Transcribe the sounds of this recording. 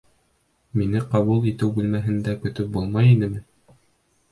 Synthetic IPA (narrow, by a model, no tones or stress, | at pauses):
minɘqɑβulˠit̪ɘwbʉlmæɦɘ̆nd̪ækɵ̆t̪ɵp̚bulˠmɑjinɘmɘ